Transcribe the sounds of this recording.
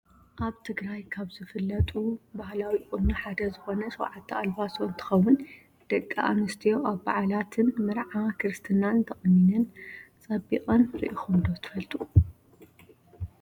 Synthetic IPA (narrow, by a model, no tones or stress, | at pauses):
ʔaβt̪ʰɨɡɾajkʰaβzɨfɨlːɐt̪ʼubahlawikʼunuħad̪ɐzɨxo̞nɐsʼɐw̰ʕat̪ʰːialbasont̪ʰɐ̥xɐwːʊn | d̪̥ɐkʼːa̰ʔamɐst̪ʰijo̞ʔaβba̰ʕalat̪ʰɨnmɨɾʕakʰɨɾɨst̪ʰɨnant̪ʰɐχʼninɨnt͡sʼɐbḭkʼɐnɾḭʔixond̪ot̪ʰɨ̥fɐlt̪ʼu